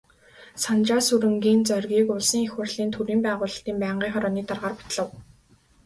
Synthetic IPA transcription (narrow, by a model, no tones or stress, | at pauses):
sant͡ɕaːsuɾɘ̆ŋɡiːnt͡sœrʲɣʲiːkʊɮsĭŋexwə̆rɮ̥iːnt̪ʰuɾiːmpæːʁʊːɮə̆ɬt̪iːmpæːɴɢiːŋχɔɾɔːniːt̪arʁaːrpḁt̪̆ɮə̆w